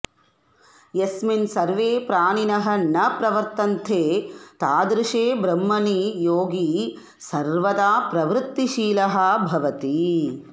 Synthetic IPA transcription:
jesminsɐɾʋeːpɾaːninɐɦɐ̆nɐpɾɐʋɐɾt̪ɐnt̪ʰeːt̪aːd̪ɾɪʂeːbɾɐmːɐnijoːɡi | sɐɾʋɐd̪aːpɾɐʋɾut̪ːiʃiːlɐɦɐ̆bʱɐʋɐt̪i

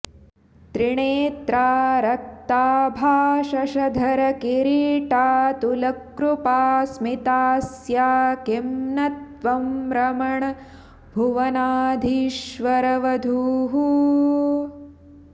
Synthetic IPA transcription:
t̪ɾiɳeːt̪ɾaːɾɐk̚t̪aːbʱaːʃɐʃɐd̪ʱɐɾɐkiɾiːʈaːt̪ulɐkɾupaːsmit̪aːs | jaːkimnɐt̪ʋɐmɾɐmɐɳɐ | bʱuʋɐnaːd̪ʱiʃʋɐɾɐʋɐd̪ʱuːɦu

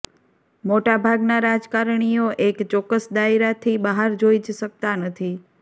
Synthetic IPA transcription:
moʈabʱaɡnaɾad͡ʒkaɾɳ̃ijoʔekt͡ʃɔkːəsd̪aiɾat̪ʰibəɦaɾd͡ʒoid͡ʒʃək̚t̪anət̪ʰi

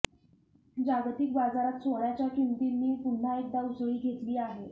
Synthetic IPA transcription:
d͡ʑaɡt̪ikbad͡zaɾat̪soɭjat͡ɕjakimt̪inːiːpun̤aek̚d̪ausɭiːɡʱet̪liːaɦe

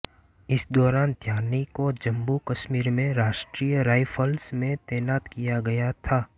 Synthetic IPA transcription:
ɪsd̪ɔːɾaːnd̪ʱjaːnikod͡ʒɐ̃mbukɐʃmiːɾmẽɾaːʃʈɾijɾaːɪpʰəlsmẽt̪ɛːnaːt̪kijaɡɐjat̪ʰaː

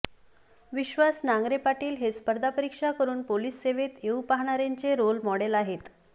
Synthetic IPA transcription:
ʋiɕʋasnaŋɡɾepaʈiːlɦespəɾd̪ʱapəɾikʂakəɾuːnpoliːsːeʋet̪eupaɦɳ̃aɾjaɲt͡seɾolmɔɽelaɦet̪

